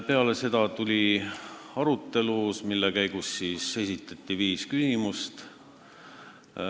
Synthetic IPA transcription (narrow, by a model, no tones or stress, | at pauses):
pe̞ɑle̞se̞d̪̥ɑt̪ulʲi | ɑɾut̪ːe̞lusmilːekæjɡ̥usːiːse̞sʲit̪ːˑɑt̪ˑːiviːskysimust̪